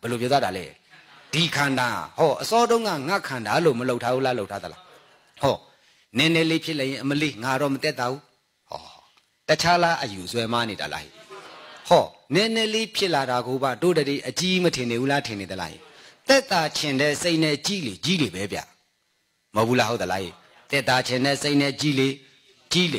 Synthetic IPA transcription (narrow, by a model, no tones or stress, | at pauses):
b̥əlopjɔt̪waɾalɛ̰ | d̥ikʰãnda̰hɔʔəsɔdõʊ̃ŋɡa̰ŋakʰãndaloməloʊtʰːabulaloʊtʰːad̪əla̰ | hɔ | nɛ̃nɛlepʰjɪʔlɛjɪ̃ʔəməleŋaɾɔmət̪ɛt̪ːabu | hɔ̰ | tət͡ɕʰalaʔəjuswɛmaneɾa̰la̰hḭhɔnɛ̃nɛlepʰjɪʔlaɾaɡobadodədeʔət͡ɕimətʰɪ̃nebulatʰɪ̃ned̪əla̰hḭt̪ɛʔt̪at͡ɕʰɪ̃ndɛseʔnɛt͡ɕilet͡ɕilebɛbja̰ | məulaɦot̪əla̰hḭ | t̪ɛʔt̪at͡ɕʰɪ̃ndɛseɪʔnɛt͡ɕile | t͡ɕile